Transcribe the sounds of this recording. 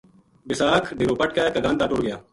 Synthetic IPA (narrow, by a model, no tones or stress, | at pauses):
bɪsaːkʰɖiːɾoːpɐʈkaːkɐɡãːnd̪aːʈoːɽɡɪjaː